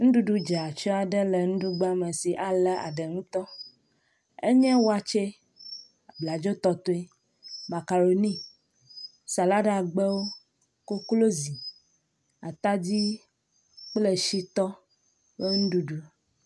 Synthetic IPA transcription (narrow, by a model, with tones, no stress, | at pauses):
ŋ̩̃˦ɖu˦ɖu˦d͡ʒa˨a˨t͡ʃɔ˦a˨ɖə˦le˨ŋũ˦ɖu˦ɡ͡ba˦me˨si˨ʔa˨lɛ˦ʔa̰˨ɖə˨ŋũ˦t̪ɔ˦ | ḛ˦ɲɛ̃˦wo˦a˨t͡ʃe˦ | a˨bla˨d͡ʒo˦t̪ɔ˦t̪o˦i˦ | ma˨ka˨ɾo˨nĩ˦ | sa˨la˦ɖa˨ɡ͡bɛ˦wo˦ | ko˦klo˦zi˨ | a˨t̪a˦d͡ʑi˦ | k͡ple˦ʃi˦t̪ɔ˦ | bə˦ŋũ˦ɖu˦ɖu˦˨